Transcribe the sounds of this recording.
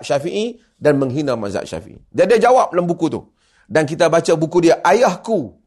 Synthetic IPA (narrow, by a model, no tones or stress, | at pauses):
ʔʃafiʔi | danmə̃ŋɦinãma̰za̰ʔʃa̰fḭʔḭdiadiad͡ʒawap̚lambukut̪ṵ | dankit̪abat͡ʃabukudiaʔajahku